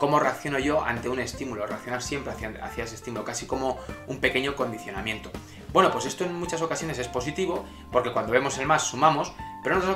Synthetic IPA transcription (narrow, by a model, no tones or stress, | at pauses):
ko̞mo̞re̞ak̚θjo̞no̞ʝo̞ʔa̰nt̪e̞une̞st̪imulo̞reak̚θjo̞naɾsje̞mpɾea̰θjaesest̪imulokasiko̞mo̞umpe̞ke̞ɲo̞ko̞nd̪iθjo̞namje̞nt̪o̞ | bwe̞no̞pwe̞se̞st̪o̞e̞ŋmut͡ʃaso̞kasjo̞ne̞se̞spo̞s̬it̪iβo̞ | po̞ɾke̞kwand̪o̞βemo̞se̞lmasːumamospeɾonot̪ɾ